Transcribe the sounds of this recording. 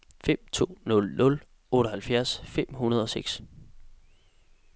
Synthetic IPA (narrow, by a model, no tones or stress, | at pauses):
fem̰t͡sʰo̝̰ːnɔ̽lnɔ̽l | ɔːɾəɦælfjæɐsfem̰hunɐð̞ˠɒ̽seɡ̥s